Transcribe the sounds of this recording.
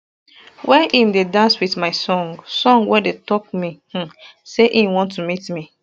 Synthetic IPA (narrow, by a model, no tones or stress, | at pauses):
wɛʔĩmdedãnswiθmaɪsɔ̃ŋɡsɔ̃ŋɡwɛdetɔkmi | seʔĩwɔ̃ntːumitmi